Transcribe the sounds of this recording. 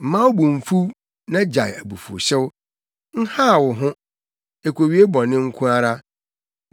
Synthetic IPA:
m̩˨mã˦wʊ˦bũ˨m̩˨fu˦ | nã˦d͡ʑa˨jæ˨bu˨fṵ˨ɕɛ˦wʊ˦ | n̩˦ha˦˨wʊ˨ɦʊ̃˦ | e˨kʰʷo˨ɥi˦e˦bɔ˨nɪ̃˦ŋ̩˦kʰũ˦a˦ɾa˦

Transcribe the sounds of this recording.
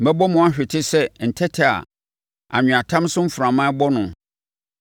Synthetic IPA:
m̩˨bɛ˦bɔ˦mʊ̃˨a˦ɕᶣɪ˨tʰɪ˦sɛ˦n̩˨tʰɛ˦tʰɪ˨a̰˨ | a̰˨ɲᶣʊ̃˨a˨tʰã˦m˦sʊ̃˦m̩˦fʊ˨ɾã˨mã˦bɔ˦nʊ̃˨

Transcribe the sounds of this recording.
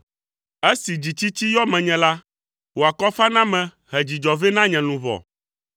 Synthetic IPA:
e˦si˨d͡ʑi˨t͡ɕi˦t͡ɕi˦jɔ˦mɛ̃˨ɲɛ̃˨la˦ | wo˨a˨kɔ˦fa˦nã˦mɛ̃˨ | ɦɛ˨d͡ʑi˨d͡ʒɔ˨ve˦nã˦ɲɛ̃˨nũ˨vɔ̰˨

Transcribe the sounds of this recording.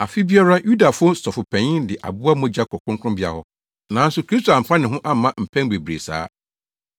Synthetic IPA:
a˨fi˦bi˦ɛ˦ɾa˦ju˦da˨fʊ˦ʊ˦sɔ˨fʊ˨pʰɛ̃˨ɲɪ̃˦ndɪ˨ʔa̰˨bʊ˦a˦mɔ̃˦d͡ʑa˦kʰɔ˨kʊ̃˦ŋkʰʊ̃˦mbɪ˦a̰˨hɔ˦ | nã˨˦n̩˦sʊ˦kʰɾi˦st̪ʰo˨ã˨m̩˨pʰã˦nɪ̃˨ɦʊ̃˦ʔa˦˨mã˦m̩˨pʰɛ̃˦ŋbe˨bɾe˨sa̰ː˨˦

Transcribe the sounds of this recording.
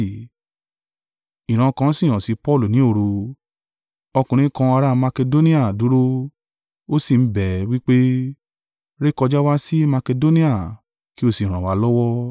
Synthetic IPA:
i˨ɾ̃ã˨kã˨˧˦si˦˨j̃ã˨si˨˦pɔ˦˨lu˨nĩ˨˦o˦˨ɾo˧ | ɔ˧kũ˨ɾ̃ĩ˨˦kã˧a˧ɾa˦mã˧ke˧do˦nĩ˦a˦˨du˨˦ɾo˦ | o˦si˨m̩˦bɛ˨wi˦k͡pe˦ | ɾe˦kɔ˧d͡ʒa˦wa˦si˦ma˧ke˧do˦nĩ˦a˨ | ki˦o˧˨si˨ɾ̃ã˨wa˨˦lɔ˦wɔ˦

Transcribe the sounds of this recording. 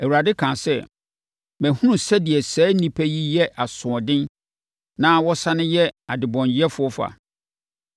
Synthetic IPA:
ɛ˨wu˨a˨dɪ˦kʰã˨sɛ˦ | mæ̃˨hũ˦nũ˨sɛ˦dɪ˨ɛ˨sɛː˨˦nĩ˦pʰɛ˦ji˦jɛ˦ʔa˨sʊ̃˨ɔ˨dɪ̃˦n | nã˦wɔ˦sã˦nʊ̃˦jɛ˦a˨dɪ˨bɔ̃˨njɛ˦fʊ˦ɔ˦fa̰˨

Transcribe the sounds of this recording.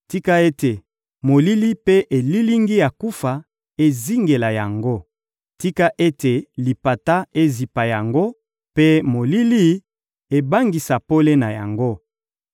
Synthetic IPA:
ti˦ka˦e˦te˨ | mo˨li˦li˦pe˦ʔe˨li˦li˦ŋɡi˦ja˨ku˦fa˨ | e˦zi˦ŋɡe˨la˨ja˨ŋɡo˦ | ti˦ka˦ʔe˦te˨li˨pa˨ta˦e˦zi˨pa˨ja˨ŋɡo˦ | pe˦mo˨li˦li˦ | e˨ba˦ŋɡi˨sa˨po˦le˦na˨ja˨ŋɡo˦

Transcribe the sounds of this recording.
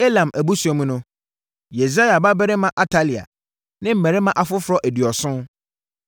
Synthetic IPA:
e˦lã˨mʔæ˨bu˦su˨ɔ˨mũ˦nʊ̃˦ | je˨s̬a˦ja˨ba˦bɛ˦ɾɪ˦mã˨ʔa˨tʰa˦li˨a̰˨ | nɪ̃˦m̩˨mɛ̃˨ɾɪ˦mã˦ʔa˨fʊ˦fɾɔ˦ʔæ˨di˨ɔ˨sʊ̃˦

